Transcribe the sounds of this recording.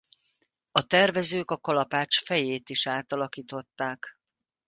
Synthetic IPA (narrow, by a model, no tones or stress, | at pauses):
ɒt̪ɛrvɛzøːkɒkɒlɒpaːt͡ʃfɛjeːt̪iʃaːt̪ɒlɒkiːt̪o̞t̪ːaːk